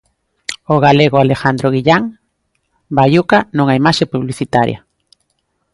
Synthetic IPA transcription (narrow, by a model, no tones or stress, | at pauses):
oɣaleɣoalexand̪ɾoɣiʎaŋ | baʎukanõŋaimaʃepuβliθit̪aɾj̰a̰